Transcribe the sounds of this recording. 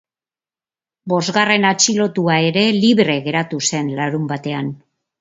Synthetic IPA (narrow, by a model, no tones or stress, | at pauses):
bo̞zɣare̞nat͡ʃilo̞t̪uae̞ɾe̞liβɾe̞ɣe̞ɾat̪use̞nlaɾumbat̪e̞an